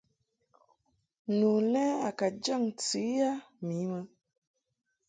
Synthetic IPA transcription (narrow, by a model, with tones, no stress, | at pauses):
nu˨lɛ˦a˨ka˨d͡ʒa˦˨ŋt͡si˨˦a˦mi˨˦mə˧